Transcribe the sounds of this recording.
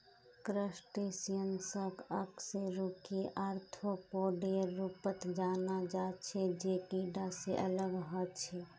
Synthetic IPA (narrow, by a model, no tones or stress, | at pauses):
kɾəsʈesijənsəkəkseɾukeʔəɾt̪ʰopoːɖeɾuːpət̪d͡ʒaːnad͡ʒaːt͡ʃʰed͡ʒeːkiːɖaseʔələɡɦət͡ʃʰe